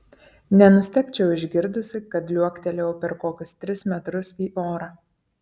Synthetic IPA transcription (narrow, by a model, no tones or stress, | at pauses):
nʲɛnʊsʲt̪ʲɛkʲt͡ʃʲɛʊɪʒʲɡʲɪɾd̪ʊsʲɪkɐt̪lʲuɔkʲt̪ʲɛlʲɛʊpʲɛɾkoːkʲʊst̪ʲɾʲɪsmʲɛt̪ɾʊsiːʔoːɾɑː